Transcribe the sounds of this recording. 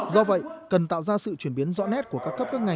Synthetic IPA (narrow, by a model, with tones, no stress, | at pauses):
zɔ˧və̰˧˨jkə˨˩nt̪a̰ː˧˨wzaː˧sɨ̰˧˨t͡ɕwi˧˩ənɓi˨˦ənzɔ̰˧˥nɛ˦˥t̚ku˧˩əkaː˦˥kːə˦˥p̚kə˦˥k̚ŋa˨˩